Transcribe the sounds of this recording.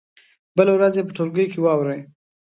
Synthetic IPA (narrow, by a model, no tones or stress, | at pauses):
bəlewɾazjep̬əʈʰolɡəjkewɑwɾəj